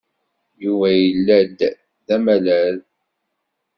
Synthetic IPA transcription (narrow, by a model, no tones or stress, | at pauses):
juvæjəlːæd̪ | ðæmælæl